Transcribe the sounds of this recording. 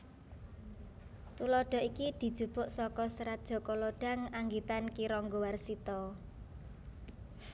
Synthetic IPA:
t̪ulɔɖ̥ɔ̤ʔikid̪̥i̤d̥ʒ̥ṳb̥ʊ̤ʔsɔkɔsɾat̪̚d̥ʒ̥ɔ̤kɔloɖ̥a̤ŋaŋɡit̪ankiɾɔŋɡowarsit̪ɔ

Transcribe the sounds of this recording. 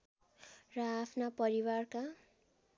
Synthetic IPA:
rʌːpʰnapʌɾiwarka

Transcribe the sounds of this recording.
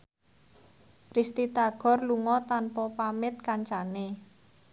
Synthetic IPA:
rist̪it̪aɡ̥ɔ̤rluŋɔt̪anpɔpamɪt̪̚kaɲt͡ʃane

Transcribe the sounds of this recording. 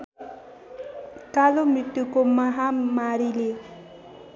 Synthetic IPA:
kalomiʈːukomaɦamaɾile

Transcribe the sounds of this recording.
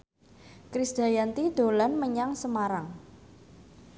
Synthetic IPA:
kɾisd̪̥a̤jant̪id̪̥o̤lanməɲaŋsəmaɾaŋ

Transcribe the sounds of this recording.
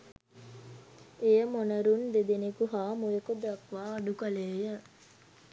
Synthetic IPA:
ejəmonəɾunʋed̪enekuɦaːmojekod̪akʋaːɖukəleːjə

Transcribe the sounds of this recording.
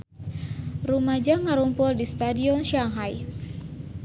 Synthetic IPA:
rumad͡ʒaŋaɾumpʊldist̪adiɔnʃiaŋɦaj

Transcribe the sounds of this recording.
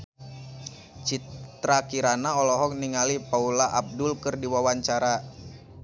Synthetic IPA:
t͡ʃit̪ɾakiɾanaɔlɔɦɔkniŋalipaulaʔab̚dʊlkɨrdiwawaɲt͡ʃaɾa

